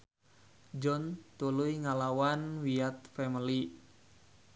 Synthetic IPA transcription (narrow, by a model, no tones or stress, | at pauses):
d͡ʒɔnt̪ulujŋalawanwiat̪̚fɛməli